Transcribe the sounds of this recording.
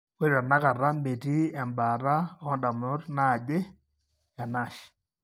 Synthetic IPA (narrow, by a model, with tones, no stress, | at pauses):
we˦ɾa˨na˦ka˨ɾa˦mbe˨ti˦ɛ˨mba˨ɾa˦ɔ˦nda˨mʊ˦ɾna˦˨d͡ʒe˦ | ja˨na˦˨ʃ